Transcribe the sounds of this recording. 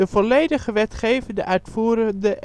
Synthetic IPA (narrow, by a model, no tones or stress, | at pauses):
əvɔlejdəχəʋɛtχejvəndəʔœɥtfuːɾəndəʔ